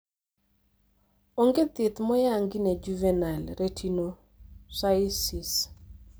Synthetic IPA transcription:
oŋɡet̪ɪt̪mɔjaŋɡinɛd͡ʒuvɛnalɾetʰino | saɪsis

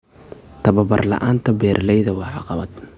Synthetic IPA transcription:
t̪ʰɐβɐbɐ̰rlɑ̰ʔaːnt̪ʰɐbɛːrlɛjðɐwɑħɑqɑβɐd̪̥

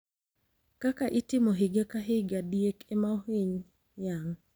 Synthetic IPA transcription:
kakaʔitɪmoɦɪɡakaɦɪɡadjekemaoɦiɲ | jaŋ

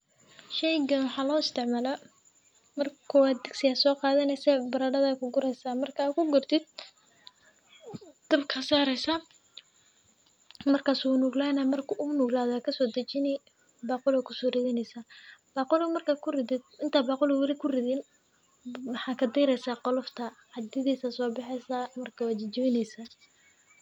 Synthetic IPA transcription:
ʃɛjɡɐnwɑħɑːlɔːɪst̪ʰɪʕmaːla | mɐrkʰʊaːd̪ɐɡsɪjaːsɔːqɑːðɐnɛjsɛːbɐɾaːɖɐðaːkʰʊɡʊɾɛjsaːmɐrkʰaːkʰʊɡʊrt̪ʰɪd̪̚ | d̪̥ɐbkʰɐsaːɾɛjsɐ | mɐrkʰaːsʊnʊɡlaːnɐmɐrkʰʊʔʊnʊːɡlaːðɔaːkʰɐsɔːd̪ɐt͡ʃɪnɪ | baːqʊlakʰʊsɔːrɪðɪnɛjsaːb̥aːqʊlɔmɐrkʰaːkʰʊrɪðɪd̪̚ɪnt̪ʰaːbaːqʊlɛwɐlɪkʰʊrɪðɪn | wɑħɑːkʰɐd̪ɛjɾɛjsaːqɔlɔft̪ʰɐʕɑd̪ɪðiːsɐsɔːbɑħɛjsamɐrkʰɐwaːt͡ʃɪt͡ʃɪwɪnɛjsaː

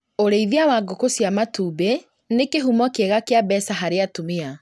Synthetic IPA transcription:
oɾeiðjawaɡokosjamatuːbe | nekeɦumɔkeɣakeabɛsaɦaɾeatumea

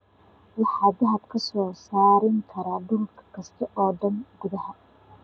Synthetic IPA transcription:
wɑħɑːd̪ɐɦɐd̪kʰɐsɔːsaːɾɪŋkʰɐɾaːɖʊlkʰɐ̥kʰɐst̪ʰɐʔɔːɖɐnɡʊðɐhɐ

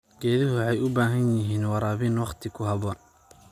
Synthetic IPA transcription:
ɡ̥ɛːðɪɦʊwħɑjʊbaːɦɐnjɪɦiːnwɑɾaːβinwɑqt̪ʰɪkʰʊɦɐβɔːn

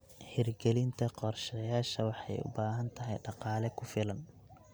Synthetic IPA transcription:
ħɪrɡɛlɪnt̪ʰɐqɔrʃɐjaːʃɐwɑħɑjʊ̰baːɦɐnt̪ʰɐɦɛjɖɑqɑːlɛkʰʊfɪlɐn

